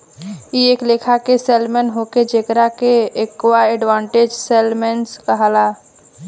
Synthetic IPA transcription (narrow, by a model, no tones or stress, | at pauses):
ieːkleːkʰakeseːlmɛnɦoked͡ʒekɾakeːkwaɛɖʋãːɳʈeːd͡ʒsɛlmenskaɦalaː